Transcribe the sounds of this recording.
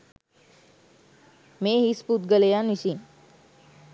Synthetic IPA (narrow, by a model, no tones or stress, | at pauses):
meɦisput̪̚ɡəlejanisiːn